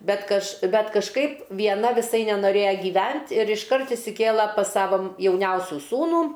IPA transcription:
ˈbʲɛt kɐʃ ˈbʲɛt kɐʃˈkɐɪp ʋʲiɛˈnɐ ʋʲɪˈsɐɪ nʲɛnoːˈrʲeːjɛ ɡʲɪˈʋʲɛnt ɪr ɪʃˈkɐrt ɪʃʲsʲɪˈkʲeːlˠɐ pɐs ˈsɑːʋoː m jɛʊˈnʲɛʊsʲʊ ˈsuːnuː

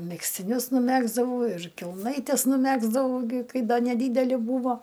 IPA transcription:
mʲɛksʲtʲɪˈnʲʊs nʊˈmʲæːɡzdɐʋɐʊ ɪr kʲɛlˠˈnɐɪtʲɛs nʊˈmʲæːɡzdɐʋɐʊ ɡʲɪ ˈkɐɪ ˈdɐ nʲɛˈdʲiːdʲɛlʲɪ ˈbuːʋoː

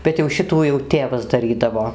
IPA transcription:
bʲɛt jɛʊ ˈʃʲɪtuː jɛʊ ˈtʲeːʋɐs dɐˈrʲiːdɐʋoː

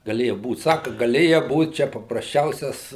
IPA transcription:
ɡɐˈlʲeːjɛ ˈbuːt ˈsɑːkɐ ɡɐˈlʲeːjɛ ˈbuːt ˈt͡ʃʲɛ pɐprɐsʲˈt͡ʃʲɛʊsʲɛs

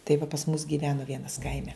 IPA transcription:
tɐɪ ʋɐ pɐs mʊs ɡʲiːˈʋʲæːnʊ ˈʋʲiɛnɐs ˈkɐɪmʲɛ

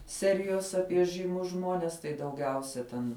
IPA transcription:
ˈsʲæːrʲɪjoːs ˈɑːpʲiɛ ʒɨˈmʊs ˈʒmoːnʲɛs tɐɪ dɐʊˈɡʲɛʊsʲɛ tʲɛn

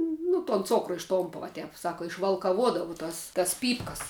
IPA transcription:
nʊ toːn ˈt͡soːkrʊ ɪʃˈtoːmpɐ ʋoː ˈtʲɛp ˈsɑːkɐ ɪʃʋɐlˠkɐˈʋuɔdɐʋɐʊ ˈtɐs tɐs ˈpʲiːpkɐs

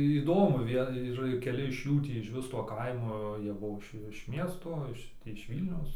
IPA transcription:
iːˈdoːmʊ ˈʋʲiɛ ɪr kʲɛˈlʲɪ ɪʃ ˈjuː tʲiː ɪʃʲˈʋʲɪs toː ˈkɐɪmoː ˈjiɛ ˈbuɔ ɪʃ ɪʃ ˈmʲiɛstoː ˈɪʃ tʲiː ɪʃ ˈʋʲiːlʲnʲɛʊs

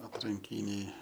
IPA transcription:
ɐtrɐŋʲˈkʲiːnʲɛɪ

